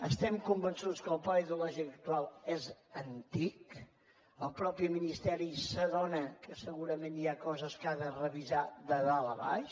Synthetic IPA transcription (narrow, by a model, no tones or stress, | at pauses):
əst̪ɛmkumbənsut͡skəlˠpaiðiulɔʒiək̚t̪ualˠɛzənt̪ik | əlˠpɾɔpiminist̪ɛɾisəðɔnəkəsəɣuɾəmẽniakɔzəskaðərəβizaðəðaləβa̰ʃ